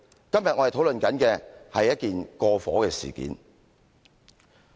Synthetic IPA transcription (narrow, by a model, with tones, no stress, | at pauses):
kɐ˥mjɐ˨t̚ŋɔ˨˧ht̪ʰwlɵ˨nkɐ˨˥nkɛː˧hɐ˨jːɐ˥t̚kiː˨nkɔː˧fɔ̰ː˨˥kɛː˧sḭː˨kḭː˨˥n